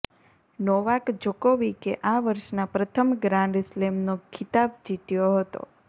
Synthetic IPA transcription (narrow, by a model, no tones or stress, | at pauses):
nɔʋakd͡ʒokoʋikeʔaʋəɾʃnapɾət̪ʰəmɡɾãnɖɪslemnokʰɪt̪ab̚d͡ʒit̪joɦət̪o̰